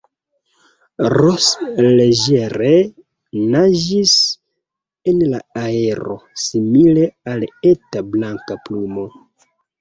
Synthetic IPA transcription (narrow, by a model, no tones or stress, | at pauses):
ɾosleʒe̞ɾe | nad͡ʒis | enla̰ae̞ɾo̞̰simile̞ale̞tablaŋkaplumo̞